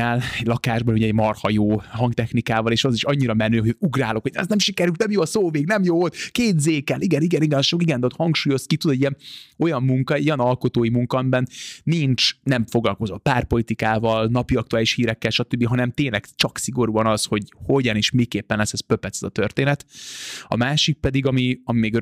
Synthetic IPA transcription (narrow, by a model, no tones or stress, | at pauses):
ɛlɛɟlɒkaːʒbɒnuɟɛɟmɒrhɒjoːɦɒŋɡt̪ɛxnikaːvɒleːʃɒziʃɒɲːiɾɒmɛnːyːɦouɡraːlo̞kho̞ɟɛ̰znɛmʃikɛɾyːt̪nɛmjoːɒsoːveːɡnɛmjoːot̪keːt̪zeːkɛlʔiɡɛniɡɛniɡɛnʃokiɡɛnd̪ɛot̪hɒŋkʃuːjo̞skit̪ud̪oɟiɛno̞jɒmːuŋkɒɛojɒnɒlko̞t̪oːjimuŋkɒɛmbɛnːint͡ʃnɛɱfo̞ɡlɒlko̞zo̞t̪̚paːrpo̞lit̪ikaːvɒlnɒpiɒk̚t̪uaːliʃhiːɾɛkːɛlʃɒt̪øbːiɦɒnɛmt̪eːnlɛɡt͡ʃɒksiɡo̞ɾuːɒnɒsho̞ɟho̞ɟɒneːʃmeːkeːpːɛnlɛsɛspøpɛt̪sɛzɒt̪ørt̪eːnɛt̪ɒ̰maːʃik̚pɛd̪iɡɒmiɒmimeːɡ